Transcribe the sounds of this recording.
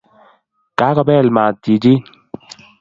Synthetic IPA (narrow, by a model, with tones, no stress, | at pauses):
kaː˨˦kɔ˨bɛ˦˨lma˨ti˨d͡ʒi˦